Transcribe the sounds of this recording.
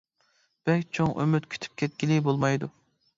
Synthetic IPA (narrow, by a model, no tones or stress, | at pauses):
b̥ɛkʲt͡ʃʰoŋʔø̰myt̪kʲʰy̥t̪ʰy̥p̚kʲʰɛt̪̚kʲilibolˠmɑjd̪u